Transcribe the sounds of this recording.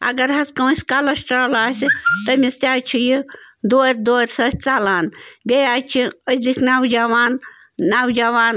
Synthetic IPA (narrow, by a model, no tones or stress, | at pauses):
ɐ̰ɡɐɾɦɐskɐw̃sʲkalɐsʈɾalaːsit̪ɐmist̪ʲaːt͡ʃʰijid̪oːɾʲd̪oːɾʲsɐtʲt͡salaːnbʲejaːt͡ʃʰiəzikʰnawd͡ʒaʋaːnː | awd͡ʒaʋaːn